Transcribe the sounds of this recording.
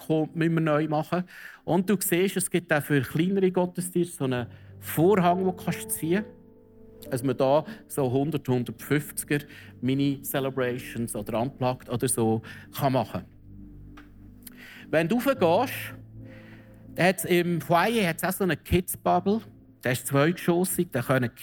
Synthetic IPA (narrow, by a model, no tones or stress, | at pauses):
χoːmʏnmənœʏmɑχəʔʊnd̚d̥uːkseːʃəsɡ̥ɪtːafʏɾχliːnəɾiɡɔtəstiːɾsonəfoːɾɦɑŋʋokχɑʃt͡siːə | asmədɑːsoɦʊnd̪əɾthʊnd̪əɾtfʏft͡sɡ̥əɾminisɛlɛbɾɛɪʃənsɔd̥̪əɾɑmplɑkt̪ɔd̪əɾsoːχɑmɑχə̰ | ʋɛnduufəɡ̥ɑːʃ | d̥̪ɛhɛtsɪmhwaɪeɦɛtsaʊsonəkʰɪtsb̥ɑbl̩ | d̪̥ɛɪʃt͡sʋœʏkʃoːsiɡ̥̚d̥ɛχœnək